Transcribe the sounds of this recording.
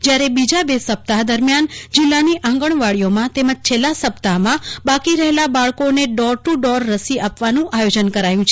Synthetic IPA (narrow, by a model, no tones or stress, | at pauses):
d͡ʒjaɾebid͡ʒabesəp̚t̪aɦd̪əɾmjand͡ʒɪlːaniʔãŋɡəɳ̃ʋaɭijomãt̪eməd͡ʒt͡ʃʰelːasəpt̪aɦmãbakiɾəɦelabaɭkoneɖɔɾʈuɖɔɾːəsiapʋanũʔajod͡ʒənkəɾajũt͡ʃʰe